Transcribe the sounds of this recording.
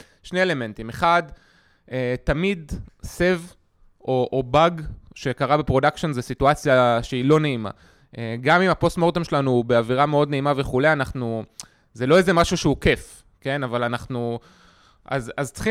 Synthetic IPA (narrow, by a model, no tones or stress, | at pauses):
ʃneele̞me̞ntime̞χad | etamidse̞v | ʔo̞ʔobaɡʃe̞kaʁabepʁo̞dakʃo̞nzesituat͡sjaʃeilo̞ne̞ima̰ | ʔeɡamimapo̞stmo̞ʁt̪omʃelanube̞aviʁame̞o̞dne̞imave̞χule̞anaχnu | zelo̞eze̞maʃuʃeuke̞f | ke̞navalanaχnu | ʔa̰zazt͡si̥χi